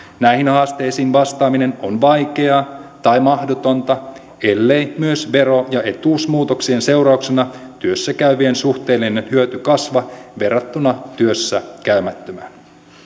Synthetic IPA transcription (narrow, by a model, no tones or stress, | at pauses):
næjhinhɑːst̪e̞jsiːnʋɑst̪ɑːmine̞nonʋɑjke̞ɑt̪ɑjmɑhdot̪ont̪ɑ | e̞lːejmyøsʋe̞ɾo̞jɑe̞t̪uːsmuːt̪oksie̞nsewɾɑuwksenɑt̪yøsːækæyʋiensuht̪e̞ːlːinenhyøt̪ykɑsʋɑʋe̞rːɑt̪ːunɑt̪yøsːækæymæt̪ːømæn